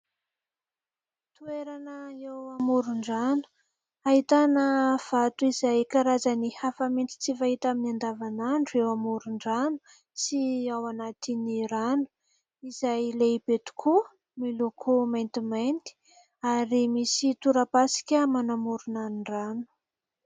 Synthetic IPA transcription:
t̪ueɾanəewamuɾuɳɖ͡ʐanu̥ | aɦit̪anəv̥at̪uizajkaɾazanihafamint͡s̪i̥t͡sivaɦit̪aminiand̪avanaɳɖ͡ʐuewamuɾuɳɖ͡ʐanu̥ | siawanat̪iniɾanu̥ | iz̥ajlebet̪u̥kʰu | milokʰumajnt̪imajnt̪i̥ | aɾimisit̪uɾapasi̥kʲəmanamuɾunaniɳɖ͡ʐanu̥

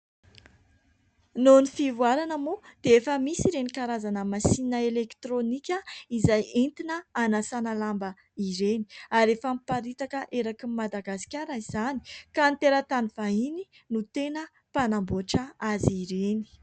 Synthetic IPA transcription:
nonifivuaɾanəmod̪̥eefəmisiɾenikaɾazanəmasinəelekt̪ɾonikʲəizajent̪inəanasanalambə | iɾeni̥aɾefampaɾit̪akəʔeɾakimad̪aɡasi̥kʲaɾaiz̥ani̥kant̪eɾət̪aniv̥aɦini | nut̪enə | panamboʈ͡ʂəaziɾeni̥

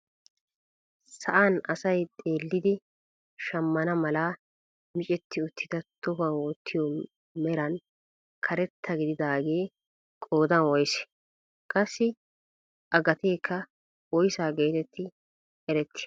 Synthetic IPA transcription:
sɐʔaːnɐsɐjt̪ʼe̞ːlːɪd̪ɪ | ʃɐmːɐnɐmɐlaː | mɪt͡ʃʼɛt̪ʰːɪʊt̪ʰːɪd̪ɐt̪ʊbɐnwɔt̪ʰːɪjɔ | mɛɾɐn | kʰɐɾɛt̪ʰːɐɡɪd̪ɪd̪aːɡeː | kʼo̞ːd̪ɐnwɔjsɛ̥ | kʼɐsːɪ | ʔɐɡɐt̪eːkʰːɐ | wɔjsaːɡe̞ːt̪ɛt̪ːɪ | ɛɾɛt̪ːɪ̥

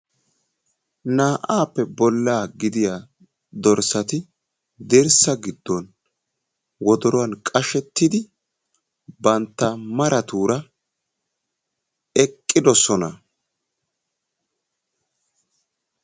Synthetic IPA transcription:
naːʔaːpːɛbɔlːaːɡɪd̪ɪjaː | d̪ɔɾsɐt̪ɪ | d̪ɪɾsɐɡɪd̪ːɔn | wɔd̪ɔɾʊwɐnkʼɐʃɛt̪ːɪd̪ɪ | bɐnt̪ːɐmɐɾʔɐt̪uːɾɐ | ɛkʼːɪd̪ɔsɔnɐ

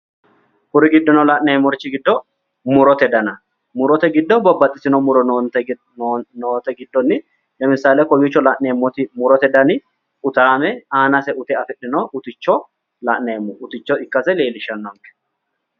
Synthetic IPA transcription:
kʊɾɪɡɪd̪ːɔnɔlaʔneːmɔɾɪt͡ʃːɪɡɪd̪ːɔ | mʊɾɔt̪ɛd̪ɐnɐ | mʊɾɔt̪ɛɡɪd̪ːɔbɐbːɐt̪ʼːɪsɪnɔmʊɾɔt̪ | noːt̪ɛɡɪd̪ːɔnːɪ | jɐmɪsaːlɛkɔjut͡ʃːɔlaʔneːmːɔt̪ɪmʊɾɔt̪ɛd̪ɐnɪ | ʊt̪aːmɛaːnɐsɛʔʊt̪ɛɐfɪᶑːɪnoʔʊt̪ɪt͡ʃːɔ | lɐʔneːmːʊʔʊt̪ɪt͡ʃːɔɪkːɐsɛle̞ːlɪʃɐnːɔŋkɛ̥

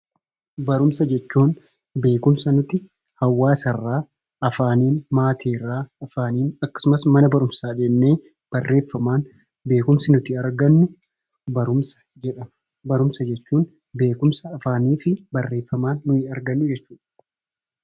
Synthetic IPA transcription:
bɐɾʊmsɐd͡ʒɛt͡ʃːuːn | be̞ːkʊmsɐnʊt̪ɪ | hɐwːaːsɐrːaː | ɐfaːniːnmaːt̪ʰiːrːaːɐfaːniːnɐkːɐ̥sʊmɐsmɐnɐbɐɾʊmsaːᶑeːnːeː | b̥ɐrːe̞ːfːɐmaːn | be̞ːkʊmsɪnʊt̪ɪɐɾɡɐnːʊ | bɐɾʊmsɐ̥ | d͡ʒɛᶑɐ | bɐɾʊmsɐd͡ʒɛt͡ʃːuːn | be̞ːkʊmsɐːfaːniːfɪbɐrːe̞ːfːɐmaːnːʊɪɐɾɡɐnːʊd͡ʒɛt͡ʃːuːᶑɐ̥

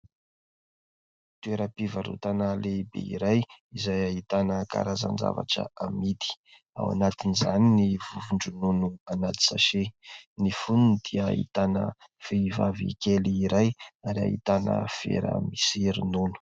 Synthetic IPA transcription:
t̪ueɾəpivaɾṵt̪anəlebḛḭɾajizajaɦit̪anəka̰ɾaza̰nd͡za̰va̰ʈ͡ʂə̰amid̪i̥ | a̰wa̰nat̪inizaninivuvuɳɖ͡ʐununuanat̪i̥saʃenifununid̪̥iəḭt̪anə̰ | feivavḭkeliːɾajaɾa̰ɦit̪anə̰fḛɾə̰misiɾinunu̥

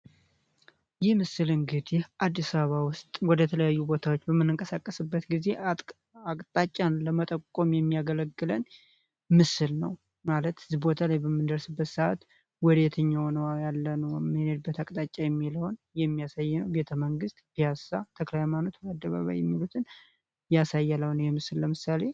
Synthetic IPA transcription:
jɪhmɨsɨlɨŋɡɨd̪eʔad̪ːisaββawʊst̪ʼwɔd̪ət̪ʰələjajːubo̞t̪ʰawot͡ʃːbəmːɨnːɨŋkʼəsakʼːəsɨbːət̪ɡize̞ | akʼt̪ʼat͡ʃʼːanləmət̪ʼəkʼːomjɛmːijaɡələɡːɨlən | mɨsɨlnəw | malət̪ɨzibo̞t̪ʰalajbəmːɨnd̪əɾsɨbːət̪saʔa̰t̪ | wɔd̪et̪ʰəɲːawnəwajalːənəwmːɨhned̪ɨbːət̪akʼt̪ʼat͡ʃʼajɛmːiləwn | jɛmːijasajːnəwbe̞t̪ʰəməŋɡɨst̪ʼb̥ijasat̪ʰəklajmanot̪bad̪ːəβa̰βa̰jɛmːilut̪ʰɨn | jasajːaləwnəwjɛmɨsɨlləmɨsale̞

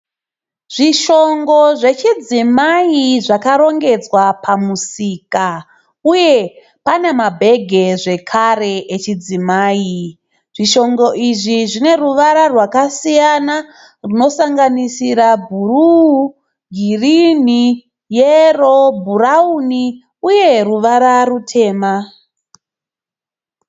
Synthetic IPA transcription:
ʐ̥iʃo̞ŋɡo̞ʐe̞t͡ʃid͡zimaiʐakaɾo̞ŋɡe̞d͡zwapʰamusiːka | uje̞ | pane̞mabʱe̞ɡʱe̞ʐe̞kʰare̞ʔet͡ʃid͡zimaːji | ʐ̥iʃo̞ŋɡo̞ʔiʐiʐine̞ruʋaɾarwakasijana | runo̞saŋɡanisiɾabʱuru | ɡʱirini | jerobʱurauni | uje̞ruʋaɾarutʰe̞ːma

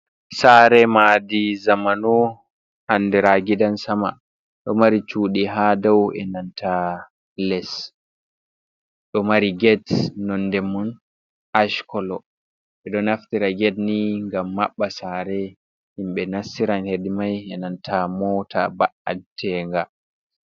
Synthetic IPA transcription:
saɾɛmadizamanu | anːdɛɾaɡidansama | ɗɔmaɾit͡ʃuːɗiɦadawɛ̰nantʰa | lɛs | ɗɔmaɾiɡɛdnɔndɛmun | ʔaʃkɔlɔ | ɓɛɗɔnaftiɾaɡɛdniŋɡamːaɓːasaɾɛ | himɓɛnasːiɾanhedimajɛnantʰamɔtʰa̰baʔa̰tʰɛŋɡa

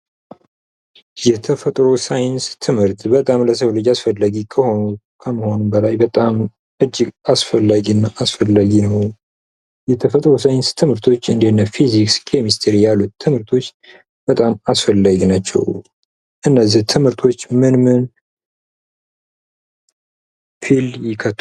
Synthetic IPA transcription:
jɛt̪ʰəfət̪ʼɾo̞sajɪnst̪ʰɨmhɨɾt̪bət̪ʼamləsʰəwlɨd͡ʒasfəlːəɡikʰəhonu | kʰəməho̞numbəlajbət̪ʼam | ʔɨd͡ʒːɪɡasfəlːaɡinːaʔasfəlːaɡinəw | jɛt̪ʰəfət̪ʼɾo̞sajɪnst̪ʰɨmɨɾt̪ʰo̞t͡ʃːɨnd̪enːəfizikskʰemist̪ʰeɾijalːut̪ʰːɨmɨɾt̪ʰo̞t͡ʃː | b̥ət̪ʼamasfəlːaɡinat͡ʃːɛ̰w | ʔɨnːəzːiht̪ʰɨmhɨɾt̪ʰo̞t͡ʃːmɨnmɨn | fʰiljɪkʰət̪ː

